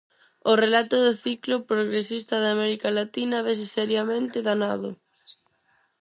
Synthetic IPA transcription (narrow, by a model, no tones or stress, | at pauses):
ʊrelat̪ʊðeθiklʊpɾoɣɾesist̪ɐð̞amɛɾikalat̪inɐβes̬ɪsɛɾjamẽnt̪ɪðanaðʊ